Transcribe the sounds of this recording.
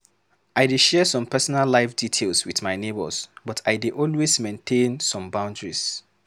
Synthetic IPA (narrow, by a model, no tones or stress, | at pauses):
aɪdeʃɛsɔ̃mpʰɛsɔnalːaɪfditʰelˠswiðmaɪnebə̰sbɔtʰaɪdeʔɔlwezmẽntʰẽnsɔ̃mbãʊ̃ndɹis